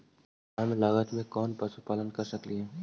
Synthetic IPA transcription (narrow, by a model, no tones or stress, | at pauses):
ɦɐmlaɡət̪mẽkɔːnpɾɐsupaːlənkɐɾsɐkliɦɛː